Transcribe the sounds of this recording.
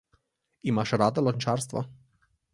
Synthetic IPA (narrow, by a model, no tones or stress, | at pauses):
imaʃɾad̪əlonʲt͡ʃaɾst̪va̰